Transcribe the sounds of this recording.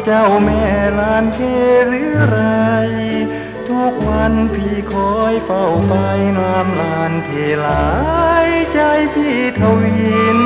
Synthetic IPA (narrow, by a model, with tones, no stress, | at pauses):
t͡ɕa˧˩wmɛː˧˩laː˧˥nk̪ʰeː˧˩ɾɯː˧˥ɾa˧j | t̪ʰu˧˩k̚wa˧˥npʰiː˧˩kʰɔː˧˥jpa˧˩wma˧jnaː˧mlaː˧nt̪ʰeː˧˩laː˨˩˦jt͡ɕa˧jpʰiː˧˩t̪ʰa˧wiː˧n